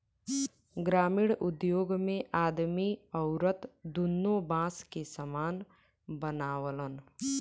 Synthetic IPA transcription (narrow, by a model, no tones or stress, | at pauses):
ɡɾaːmiɽʊd̪joːɡmẽʔaːd̪miəʊɾət̪d̪unːobãːskesəmaːn | bənaːwələn